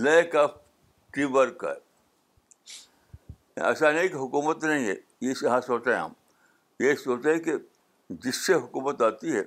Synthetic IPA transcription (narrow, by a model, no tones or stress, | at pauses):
leːkap̚ | ʈiʋəɾka̰ | ɐ̰saːnekɦʊkuːmət̪nɐɦĩɦɛ̰ | jesɐɦãsoːt͡ʃeḛ̃ɦɐ̰m | jesoːt͡ʃeɦɛ̃ke | d͡ʒɪsːeɦʊkuːmət̪aːt̪iɦɛ